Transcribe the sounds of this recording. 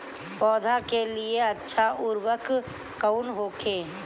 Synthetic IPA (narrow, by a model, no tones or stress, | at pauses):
pɔːd̪ʱakelieɐtːʃʰaʔʊɾwək | kəʊnɦoːkʰeː